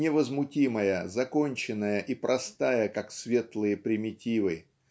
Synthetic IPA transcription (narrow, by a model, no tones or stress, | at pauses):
nʲɪvəzmʊtʲiməjəzɐko̞nʲt͡ɕɪnːəjəʔipɾʔɐst̪ajəkaksvʲe̞t̪lˠɨjəpɾʲɪmʲɪtʲivɨ